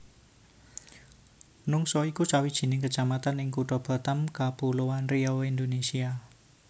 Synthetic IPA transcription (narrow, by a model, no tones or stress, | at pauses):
nʊŋsɔikusawid̥ʒ̥i̤nɪŋkət͡ʃamat̪anɪŋkuɖɔb̥a̤t̪amkab̥ulowanriɔind̪onesia